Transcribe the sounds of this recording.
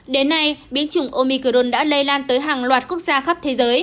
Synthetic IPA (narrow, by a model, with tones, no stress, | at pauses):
ɗe˨˦nːa˧jɓi˨˦ənt͡ɕʊ˨˧˩ŋ͡mʔo˧mi˧ko˧nɗa̰ː˧˥lə˧jlaː˧nt̪əː˨˦jɦaː˨˩ŋlwaː˨˩t̚ku˦˥ək̚z̥aː˧xa˦˥p̚t̪ʰe˨˦zəː˨˦j